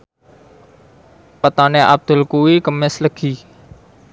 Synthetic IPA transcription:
pət̪aːnẽːʔab̚d̪əlkoːiːkəmesləkʰiː

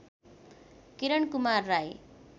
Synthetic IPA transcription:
kiɾʌɳkumarːaj

